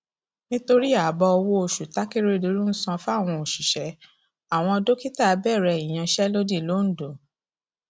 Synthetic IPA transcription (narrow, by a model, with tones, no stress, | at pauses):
nĩ˦to˧ɾi˦a˨bɔ˧ɔ˧wo˦o˧ʃu˨ta˦ki˦ɾe˦˧do˧˦ɾũ˦n̩˦sã˧fa˦˨w̃ɔ̃˧o˨ʃi˨ʃɛ˨˦ | a˦˨w̃ɔ̃˧ɔ˧do˦ki˦ta˦˨˧bɛ˦˨ɾɛ˧i˨j̃ã˧ʃɛ˦lo˦di˦˨lo˨˦n̩˨˦do˨